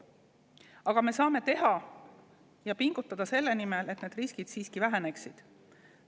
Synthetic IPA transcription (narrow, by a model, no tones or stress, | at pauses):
ɑɡ̥ɑme̞sɑːme̞t̪e̞ɦɑ | jɑpiŋɡ̥ut̪ˑːɑd̪̥ɑse̞lːe̞nime̞let̪neːd̪̥riskid̪̥siːskivæɦe̞ne̞ksid̪̥